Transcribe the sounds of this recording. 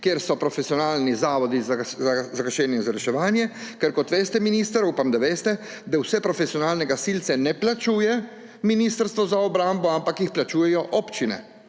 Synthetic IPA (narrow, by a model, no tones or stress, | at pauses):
kjeɾsɔpɾɔfesiɔnaːlnizaːʋɔd̪izzazakaʃɛːnjɛzaɾɛʃɛʋaːnjɛkɛɾkɔt̪ʋeːst̪ɛminist̪əɾuːpamd̪aʋeːst̪ɛ | d̪awsɛpɾɔfɛsiɔnaːlnɛɡasilt̪sɛnɛplat͡ʃuːjɛ | minist̪əɾst̪ʋɔzaɔbɾambɔampakjixplat͡ʃuːjɛjɔʔɔpt͡ʃinɛ̰